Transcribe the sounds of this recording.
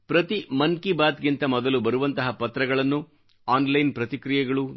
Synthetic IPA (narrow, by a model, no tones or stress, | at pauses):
pɾɐt̪imɐnkibaːt̪ɡint̪ɐmɔd̪ɐlubɐɾuʋɐnt̪ɐɦɐpɐt̪ɾɐɡɐɭɐnːu | aːnlɐjnpɾɐt̪ikɾijɛɡɐɭu